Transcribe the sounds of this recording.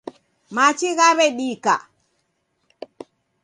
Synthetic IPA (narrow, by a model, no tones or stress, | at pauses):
mat͡ʃiɣaβɛɗika̰